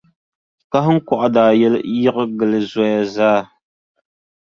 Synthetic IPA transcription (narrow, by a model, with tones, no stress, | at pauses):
ka˦ɦə˦ŋ̩˦kɔ˨ʔdaː˨jɛ˦lji˦ʔə˦ɡə˨lɨ˨zɔ˨˦ja˦zaː˦